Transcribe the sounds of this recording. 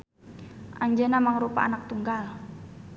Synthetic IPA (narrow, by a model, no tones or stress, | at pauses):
ʔaɲd͡ʒənamaŋɾupa̰anak̚t̪uŋɡal